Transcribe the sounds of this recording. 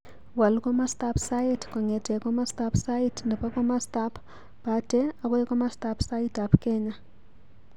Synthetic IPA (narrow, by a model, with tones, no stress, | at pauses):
wa˨lkɔ˦mastapsa˦itkɔ˨ŋɛ˨tɛ˨kɔ˦mastapsa˦itndɛ˨pa˦kɔ˦ma˦stapʰ | b̥adɛa˨kɔ˦ɛ˦kɔ˦ma˦stapsa˦ita˨pkɛɲa